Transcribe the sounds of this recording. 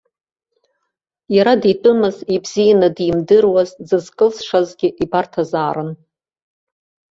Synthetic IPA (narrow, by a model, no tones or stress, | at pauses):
jaɾaditʼɨmɨzibz̥ijanadimdɨrwazd͡zɨzkʼɨlsʂazɡʲɪʔibartʰazaːɾɨn